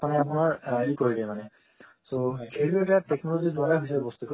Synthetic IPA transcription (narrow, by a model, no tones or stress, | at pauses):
anɛapunaɹikoɹidɛmanɛ | sokʰeɹibetateknɔloziduaɹaɦojs̬ɛbɔst̪uk